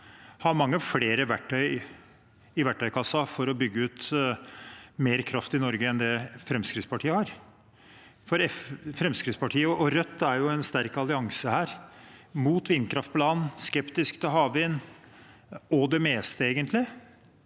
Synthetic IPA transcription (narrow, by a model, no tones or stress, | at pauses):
hɑɾmɑŋːəfleːɾəʋæʈʰːœʏ | ɪʋæʈːœʏkʰɑsːɑfɔɾɔbʏɡːəʉːt̪ | meːɾkʰɾɑft̪ɪnɔɾɡəɛnd̪ɛfɾɛmskɾɪt̪spɑʈʰiːəhɑɾ | fɔɾɛffɾɛmskɾɪt̪spɑʈʰiːəɔɔɾœt̪ːæɾjʊɛnst̪æɾkɑlɪɑŋsəhæːɾmuːt̪ʋɪnːkʰɾɑft̪pʰɔlɑːnskɛpt̪ɪskd̪əɦɑːʋʋɪnː | ɔd̪ɛmeːst̪əeːɡənt̪ʰlɪ